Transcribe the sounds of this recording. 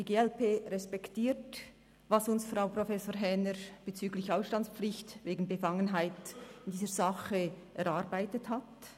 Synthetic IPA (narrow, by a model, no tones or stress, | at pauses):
d̥iɡeːɛlpʰeːʁɛspɛktiːt | vɑsʊnsfʁaʊprofɛsoːɾɦɛnəɾb̥et͡syːɡlɪçaʊsʃtɑnt͡sspp͡flɪçtveːɡn̩bəfɑŋənɦaɪtɪndiːzəɾzɑχə | ʔɛɾɑɾbaɪtəthat